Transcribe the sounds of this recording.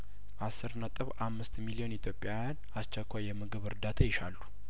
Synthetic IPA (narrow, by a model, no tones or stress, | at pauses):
ʔasːɨɾnət̪ʼɨβʔamːɨst̪milio̞nit̪ʰjo̞pʼjajan | ast͡ʃːɛkʷːajːɛmɨɡɨβɨɾd̪at̪ʰajɪʃalːu